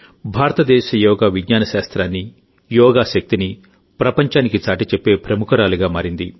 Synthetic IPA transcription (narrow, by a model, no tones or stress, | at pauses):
bʱaːɾɐt̪ɐd̪ɛːʃɐjɔːɡaːʋiɡɲaːnɐʃaːst̪ɾaːnːi | jɔːɡaːʃɐk̚t̪ini | pɾɐpɐɲt͡ʃaːnikit͡ʃaːʈit͡ʃepːe̞ːpɾɐmukɐɾaːluɡaːmaːɾind̪i